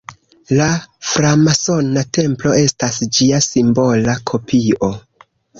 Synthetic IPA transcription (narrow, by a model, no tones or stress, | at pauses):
lafɾamaso̞nate̞mplo̞e̞stasd͡ʒiasimbo̞lakʰo̞pʰio̞